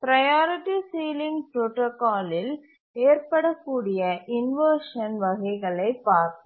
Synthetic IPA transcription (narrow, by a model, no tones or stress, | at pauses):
pɪɾɐjaːɾɪʈːisiːlɪŋɡpɾoʈoːkaːlɪl | eːɾpɐɽɐkːuːɽɪjɐʔɪnʋɐːɾʂɐnʋɐɣɐɪɣɐɭɐɪpːaːɾt̪ɯ